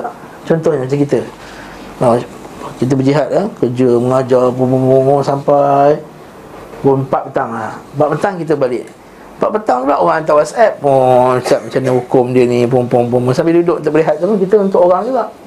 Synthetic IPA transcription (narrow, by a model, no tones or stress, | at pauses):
t͡ʃɔnt̪ɔhɲəmat͡ʃaŋkit̪ə | akit̪̬əbəd͡ʒiɦat̪̚lakəd͡ʒəməŋad͡ʒap̬upupʊsampaj | pʊnpat̪̚pət̪aŋlahpaʔ̪̚pət̪aŋkit̪əbalɪʔ | pat̪̚pət̪aŋulaʔoɣaŋant̪̬awasɛp̚ːʊŋt͡ʃaʔ̚mat͡ʃanəhukʊmdiənĩp̬ʊŋpʊŋpʊŋpʊnsampɪdudʊʔnt̪ʊʔbəliɦat̪̚apunkit̪əunt̪ʊkoɣaŋd͡ʒuɡaʔ